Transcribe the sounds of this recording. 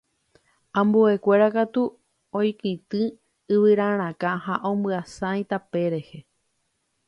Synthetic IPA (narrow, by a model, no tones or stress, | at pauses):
ãmbue̞kʷe̞ɾakat̪u | õjkĩt̪ɨ | ɨʋɨɾãɾ̃ãkãhaʔõmbɨasãj̃t̪ape̞ɾe̞he̞